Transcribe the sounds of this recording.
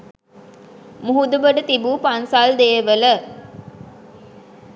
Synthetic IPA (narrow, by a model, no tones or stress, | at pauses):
muɦud̪ubəɖət̪ibuːpansald̪eːʋələ